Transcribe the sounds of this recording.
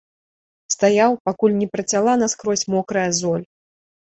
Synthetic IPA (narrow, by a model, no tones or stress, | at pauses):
st̪ajawpakulʲnʲɛpɾɐt͡sʲalˠanɐskɾɔsʲmɔkɾɐjɐzɔlʲ